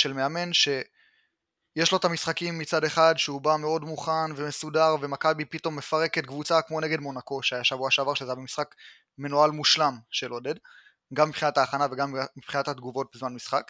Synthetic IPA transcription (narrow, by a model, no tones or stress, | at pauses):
ʃe̞lmeame̞nʃe̞ | jeʃlo̞t̪amisχakimːit͡sade̞χadʃeubame̞o̞dmuχanve̞me̞sudaʁve̞makabipito̞mːe̞faʁe̞ket̪̚ɡvut͡sakmo̞ne̞ɡe̞dmo̞nako̞ʃeajaʃavuaʃavaʁʃezeabemisχak | me̞nualmuʃlamʃeloded | ɡamːipχinataːχanave̞ɡammipχinathad̪ɡuvo̞t̚bezmanmisχak